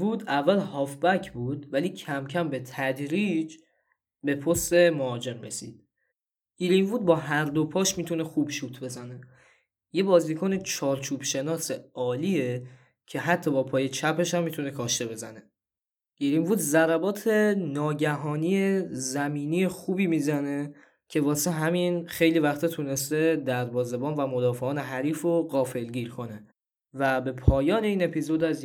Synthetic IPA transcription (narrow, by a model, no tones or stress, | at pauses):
vud̪ævːælhɒːfbæcʰbuːd̪væliːcʰæmcʰæmbe̞t̪ʰæd̪ɾiːd͡ʒ | be̞pʰost̪e̞moɒːd͡ʒe̞mɾesḭːd̪̥ | ɡ̥iɾimvuːd̪̚bɒːɦæɾd̪opʰɒːʃmiːt̪ʰune̞xuːbʃuːt̪ʰbe̞zæne̞ | je̞bɒːzikʰone̞t͡ʃʰɒːɾt͡ʃʰuːb̥ʃe̞nɒːseɒːliːe | cʰe̞ɦæt̪ʰːɒːbɒːpʰɒːje̞t͡ʃʰæpʰe̞ʃæmːit̪une̞kʰɒːʃt̪e̞be̞zæne̞ | ɡ̥iɾimbuːd̪zæɾæbɒːt̪ʰe̞nɒːɟæɦɒːnijezæmiːniːjexuːbiːmizæne̞ | cʰe̞vɒːseɦæminχe̞jlivæxt̪ʰɒːt̪ʰune̞st̪ed̪æɾbɒːze̞bɒːnvæmod̪ɒːfe̞ɒːne̞ɦæɾiːfɾoɣɒːfe̞lɡiːɾkʰo̞ne̞ | væbe̞pʰɒːjɒːne̞iːne̞pʰizo̞d̪æz